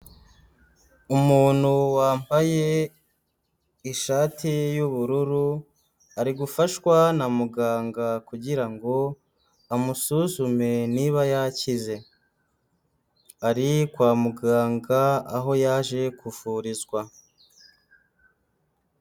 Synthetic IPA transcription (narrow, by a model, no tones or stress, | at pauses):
umuːn̥huwaːmbaje̞ | iʃaːtʰijuβuɾuɾu | aɾiɡufaʃwanamuɡaːŋɡakuɟiɾaŋɡo̞ | amusuzume̞niβajacize̞ | aɾikwaːmuɡaːŋɡa̰ːɦo̞jaːʒe̞kʰufuɾizɡwa